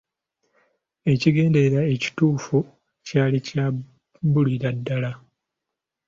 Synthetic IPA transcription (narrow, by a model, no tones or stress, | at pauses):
e̞ciɡe̞ːnde̞ɾae̞ci̥tuːfu | caːlica | buliɾadːala